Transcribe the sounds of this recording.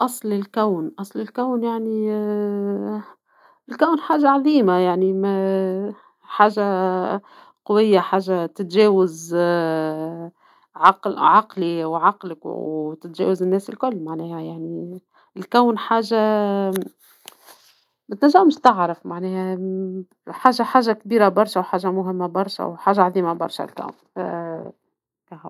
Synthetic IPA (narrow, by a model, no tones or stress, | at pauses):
ʔɑsˤlɪlkæwnʔɑsˤlɪlkawnjaʕni | ɪlkawnħaːʒaʕɑðˤiːmajaʕnimæ | ħaːʒa | qʊwɪjːaħaːʒːat̪ɪt̪ʒɛːwaz | ʕɑqʕɑqliwʕɑqlɪkwt̪ɪt̪ʒɛ̰ːwazɪnːɛːsɪlkʊlːmaʕnɛːhaæjaʕni | ɪlkæwnħaːʒa | mæt̪næʒːammɪʃt̪ɪʕɾɑfmaʕnɛːhæ | ħaːʒaħaːʒak̚biːɾabɑɾˤʃawħaːʒamʊɦɪmːæbɑɾˤʃa̰wħaːʒaʕaðˤiːmabɑ̰ɾˤʃa̰lkæ̰wn | kæɦ